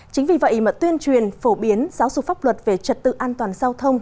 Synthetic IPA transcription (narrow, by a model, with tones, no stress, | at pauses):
t͡ɕï˨˦ŋ̟vi˨˩və̰˧˨ʔi˧˩mə˨˩t̚t̪wi˧ənt͡ɕwi˨˩ənfo˧˩ɓi˨˦ənzaː˨˦wzṵ˨˧˨faː˦˥p̚lwə˨˩t̚ve˨˩t͡ɕə˨˩t̚t̪ɨ̰˧˨ʔaː˧nt̪waː˨˩nzaː˧wt̪ʰə˧wŋ͡m